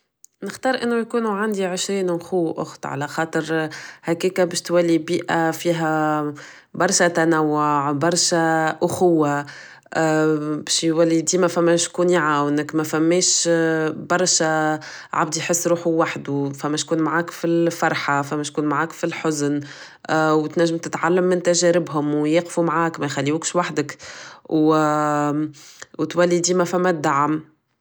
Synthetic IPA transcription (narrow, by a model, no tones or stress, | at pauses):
nɪxt̪ɑːɾˤʔɪnːʊjkuːnuʕand̪iʕɪʃɾiːnʔʊxʊwːʔʊ̰xt̪ˤʕa̰læxɑːt̪ˤəɾhækiːkæbɛːʃt̪wælːibiːʔafiːɦæ | bɑɾˤʃat̪ænæwːoʕbɑɾˤʃaʔʊxʊwːa | bɛːʃjwælːid̪iːmæfæmːæʃkuːniʕaːwnɪkmæfæmːɛːʃ | bɑɾˤʃæ | ʕa̰b̚d̪ijħɪsːɾuːħuwaħd̪ufæmːæʃkuːnmaʕaːkfilfɑɾˤħafæmːæt̪kuːnmʕaːkfilħʊzn | wt̪næʒːɪmt̪ɪt̪ʕalːamːɪnt̪æʒæɾɪbɦʊmwjeːqfumʕaːkmɛjxalːiuːkʃwaħd̪əkw | wt̪wælːid̪iːmæfæmːæd̪ːaʕəm